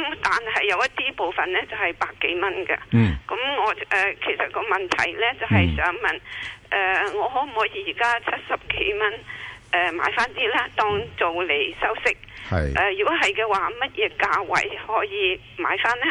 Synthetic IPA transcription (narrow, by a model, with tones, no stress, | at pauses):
mt̪aː˨nhɐ˨jːɐ˨˧wjɐ˥t̚t̪iː˥po˨wfɐ˨nlɛː˥t͡sɐ˨whɐ˨˩jpaː˧kːe˨˥jmɐ˥nɡɐ̰˧kɐ˨˥mŋɔː˨˧ʔɛ˨˧kʰe˨˩jsɐ˨t̚kɔː˧mɐ˨nt̪ʰɐ̰˨˩jlɛː˥t͡sɐ˨wɦɐ˨jsœː˨˥ŋmɐ˨nʔɛː˧ŋɔː˨˧ɦɔ˨˥m̩˨˩hɔː˨˥jiː˨˥jiː˨˩kaː˥t͡sʰɐ˥t̚sɐ˨p̚ke˨˥jmɐ˥nʔɛ˨ma̰ː˨˥jfaː˥nt̪iː˥lɛː˥t̪ɔː˥ŋt͡so˨wle˨˩jsɐ˥wsɪ˥k̚hɐ̰˨jʔɛː˧˩jyː˨˩kɔ˨˥ɦɐ˨jkɛː˧waː˨mɐ˥t̚jɛː˨˧kaː˧wɐ̰˨˩jhɔː˨˥jiː˨˧ | ma̰ː˨˧˥jfaː˥nlɛ˥